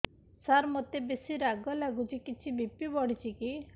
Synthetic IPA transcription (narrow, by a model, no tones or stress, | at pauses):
saɾmot̪ebesiɾaɡɔlaɡut͡ʃikit͡ʃʰibipibɔɽit͡ʃʰiki